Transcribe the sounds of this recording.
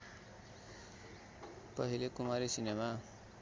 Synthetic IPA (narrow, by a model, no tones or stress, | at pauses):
pʌɦilekumaɾisinema